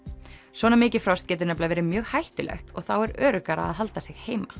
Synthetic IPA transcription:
swɔːnamɪːcɪfɾɔst̪cɛːt̪ʏɾnɛplavɛːɾɪmjœːɣhajht̪ʏlɛ̰xt̪ɔɣθawɛɾœːɾʏkaɾa̰ːðɦalt̪asɪɣheːjma

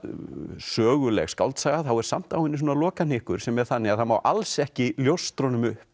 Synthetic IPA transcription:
sœːɣʏlɛ̰xska̰wlt̪saːɣaθawɛɾ̥sam̥t̪aːwɪnːis̬ɔːnalɔːkanɪhkʏɾ̥sɛmɛð̥θanːɪaðhanma̰wʔa̰lsɛhcɪljowst̪ɾonʏmʏhp

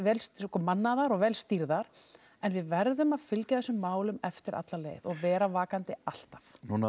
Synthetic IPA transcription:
vɛːlskɔmanːaðaɾɔɣvɛːlst̪iɾðaɾ̥ | ɛnvɪðvɛɾðʏmaðfɪlcaðɛsʏmːaːwlʏmɛft̪ɪɾʔa̰t̪lalḛːjðɔɣvɛːɾavaːkant̪ɪal̥t̪afnuːna

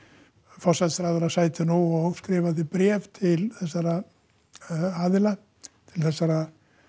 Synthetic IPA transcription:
fɔsat̪sɾaðʏɾasaːjt̪ʏnuɔɣskɾɪːvaθɪpɾɛːvt̪ʰɪlθɛsːaɾa | aːðɪla | t̪ʰɪlθɛsːaɾa

